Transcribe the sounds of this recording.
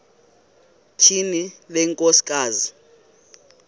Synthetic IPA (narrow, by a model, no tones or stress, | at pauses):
t͡ʃʰinilɛŋkʼosi̥kʼaːzi